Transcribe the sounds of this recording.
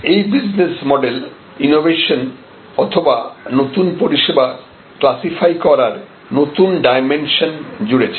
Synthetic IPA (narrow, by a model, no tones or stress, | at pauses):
ejbid͡ʑnesmɔɖel | inobeʃon | ɔt̪ʰobanot̪unpoɾiʃeba | klasifajkɔɾaɾ | not̪unɖajmenʃond͡ʑuɽet͡ɕʰe